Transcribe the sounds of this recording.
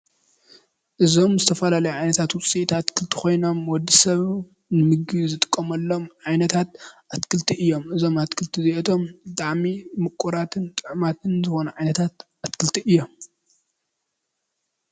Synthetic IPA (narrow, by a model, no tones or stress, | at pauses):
ʔɨzo̞mzɨt̪ʰɐfɐlalɐjuʕajnɐt̪ʰat̪wʊt͡sʼit̪ʰat̪kʰɨlt̪ʰi̥xo̞jnomwɔd̪ːisɐβ | nɨmɨɡizɨt̪ʼɨ̥kʼːɐmɐlːo̞mʕajnɐt̪ʰat̪̚ʔat̪kʰɨlt̪ʰiɨjːo̞mɨzo̞mat̪kʰɨlt̪ʰiziʔɛt̪ʰo̞md̪aʕmimɨkʼːuɾat̪ʰɨnt̪ʼɨʕmat̪ʰɨnzɨxo̞nɐʕajnɐt̪ʰat̪ | at̪kʰɨlt̪ʰiʔɨjːom